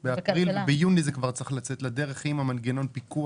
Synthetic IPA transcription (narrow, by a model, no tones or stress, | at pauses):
beapʁilbejunizekvaʁt͡siχlat͡setlad̪e̞ʁeχimhamanɡeno̞npiku